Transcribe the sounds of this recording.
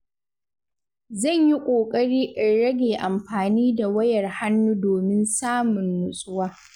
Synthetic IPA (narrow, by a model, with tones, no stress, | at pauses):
zɐ˦˨ɲji˦kʷʼoː˨kʼɐ˦ɽiː˦ʔɪ˨ɽɐ˦ɡʲeː˨ʔa˨mɸaː˨niː˦da˨wɐ˦jɐ˨rha˦nːuː˦doː˨mɪ˦nsaː˦mʊ˨nːʊ˨sʼʊ˦waː˦